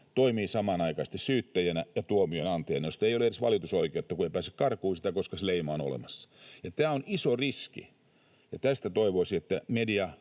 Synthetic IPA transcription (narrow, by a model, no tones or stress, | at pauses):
t̪oimiːsɑmɑnɑikɑist̪issyːt̪ːæjænæjɑt̪uomiøenɑnt̪ejnæjost̪eijoleersʋɑ̰lit̪usoikeut̪ːɑkueipæːsy̥kkɑrkuːsi̥t̪ækoskɑsleimɑːno̰lḛmɑsːɑ̥jɑt̪æːonisoriskḭ | jɑt̪æst̪æt̪oiʋoisiet̪ːæmediɑ